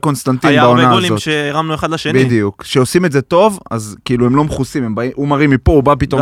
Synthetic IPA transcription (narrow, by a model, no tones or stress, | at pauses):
ko̞nst̪ant̪ijbaonnaolizotʃeeʁamnueχad̪laʃenbid̪ijukʃeo̞simedzet̪o̞va̰zkiiːluemlo̞mχusimembaimʔumaʁimːipo̞ubapit̪o̞